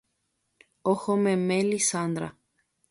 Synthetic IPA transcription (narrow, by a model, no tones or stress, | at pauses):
oxomẽmelisand̪ɾa